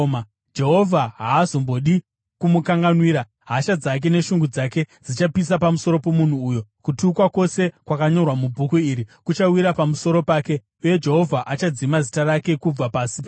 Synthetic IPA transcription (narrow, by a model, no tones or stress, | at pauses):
ma | d͡ʒe̞ɦovʱaɦaːzombo̞ɗi | kumukaŋɡanwiːɾa | ɦaʃad͡zak̬e̞ne̞ʃuŋɡud͡zake̞d͡zit͡ʃapis̬apamuso̞ɾo̞po̞mun̤uːjo̞kutiuːkwakwo̞se̞kwakaɲo̞rwamubʱukuiːɾikut͡ʃawiɾapamuso̞ɾo̞paːke̞ | uje̞d͡ʒe̞ɦo̞vʱaʔat͡ʃad͡zimazitaɾake̞kub͡vapaːsip